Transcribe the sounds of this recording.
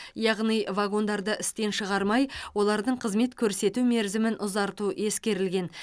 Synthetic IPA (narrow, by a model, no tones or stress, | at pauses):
jɑʁnijvaɡo̞nd̪ɑɾd̪əʔɪst̪e̞nʃəʁɑɾmɑjwo̞lˠɑɾd̪əɴqʰəzme̞t̪kʲʰɵɾse̞t̪ume̞ɾzɪmɪnʔʊzɑɾt̪uʔe̞skʲe̞ɾɪlɡʲe̞n